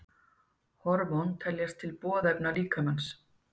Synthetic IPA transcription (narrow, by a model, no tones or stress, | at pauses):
hɔɾmɔwnt̪ʰɛljast̪ʰɪlpɔːðɛpnaliːkʰamans